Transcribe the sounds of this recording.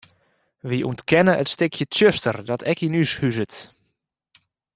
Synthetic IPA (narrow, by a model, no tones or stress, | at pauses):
ʋiʔṵəntkʰɛnəʔətstɪkʰjətjøstərdɔtʰɛkinyshyzət